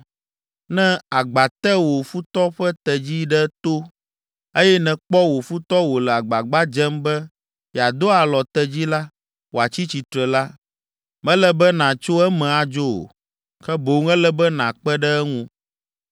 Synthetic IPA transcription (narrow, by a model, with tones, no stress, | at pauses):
nɛ̃˦a˨ɡ͡ba˨t̪ɛ˦wo˨fu˦t̪ɔ˦ɸɛ˦t̪ɛ˨d͡ʑi˦ɖɛ˦t̪o˦ | e˦jɛ˦nɛ̃˨k͡pɔ˦wo˨fu˦t̪ɔ˦wo˨lɛ˨a˨ɡ͡ba˨ɡ͡ba˦d͡ʒɛ˦mbɛ˦ | ja˨d̪o˦a˨lɔ˨t̪ɛ˦d͡ʑi˦la˦ | wo˨a˨t͡ɕi˦t͡ɕi˨t̪ɾɛ˨la˦ | mɛ̃˦lɛ˨bɛ˦nã˨t͡ʃo˦ɛ˦mɛ̃˨a˨d͡ʒo˦o̰˨ | kɛ˦bo˨˦ŋɛ̃˦lɛ˦bɛ˦nã˨k͡pɛ˦ɖɛ˦ɛ˦ŋũ˦